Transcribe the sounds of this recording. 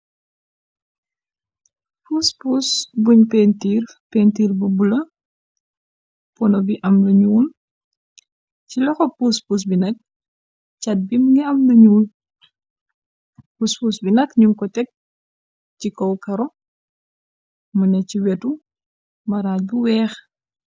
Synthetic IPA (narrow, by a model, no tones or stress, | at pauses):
puspusbuɲpentiːrpentiːrbubulɐ | pɔnɔbiʔɐmluɲuːl | cilɔxɔpuːspus̬binɐk̚ | t͡ʃɐt̚bimŋɡɛɐmluɲuːl | puspusbinɐkɲuŋkɔtɛk̚ | cikɔwkɐɾɔ | munɛciwɛtu | mɐɾaːc̚buwɛːx